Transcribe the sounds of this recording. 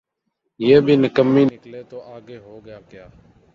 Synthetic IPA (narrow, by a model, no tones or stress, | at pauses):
jeːbʱiːnəkəmːiːnkleːt̪oːʔaːɡeːɦoːɡjaːkjaː